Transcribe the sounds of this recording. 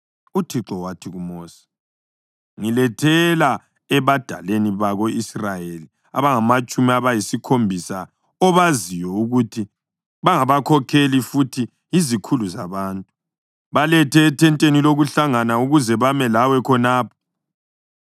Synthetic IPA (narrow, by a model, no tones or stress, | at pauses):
utʰiǁɔwatʰiɣumoːsi̥ | ŋilɛtʰɛla | ɛβad̥ʱa̰leniβaɣoisrajeli | a̰βaŋamat͡ʃʼumiaβajisikʰombʱisa | ɔβazijɔuɣutʰi | βaŋaβakʰɔkʰelifutʰi | izikʰuluzaβaːntʼu | βalɛtʰɛːtʰɛntʼeniloɣuɬaŋanauɣuzɛβamɛlawɛkʰɔnaːpʰɔ̥